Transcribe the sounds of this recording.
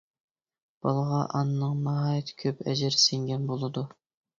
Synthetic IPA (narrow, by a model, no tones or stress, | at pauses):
b̥ɑlˠəʁɑʔɑnɨnɨŋmɑɦɑːjɛt̪ʰkʲʰøpɛ̰d͡ʒɪɾseŋɡʲɛnbolˠɨd̪u